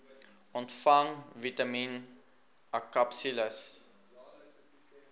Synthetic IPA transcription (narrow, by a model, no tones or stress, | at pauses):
ɔntfɐŋvitɐmin | akapsiləs